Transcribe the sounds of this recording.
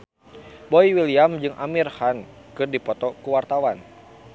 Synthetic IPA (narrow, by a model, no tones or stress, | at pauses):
bɔiwiliamd͡ʒɨŋʔa̰mirhan | kɨrdipɔt̪ɔkuwart̪awan